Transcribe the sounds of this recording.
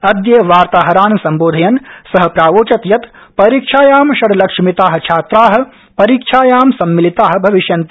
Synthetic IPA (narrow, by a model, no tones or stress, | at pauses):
ɐd̪jɐʋaːɾt̪aːɦɐɾaːnsɐmboːd̪ʱɐjɐnsɐɦɐ̆pɾaːʋoːt͡ʃɐt̪jɐt̪ | pɐɾiːkʃʰaːjaːmʃɐɽlɐkʂmit̪aːɦɐ̆t͡ʃʰaːt̪ɾaːɦɐ̆ | pɐɾiːkʃʰaːjaːmsɐmːilit̪aːɦɐ̆bʱɐʋiʃjɐnt̪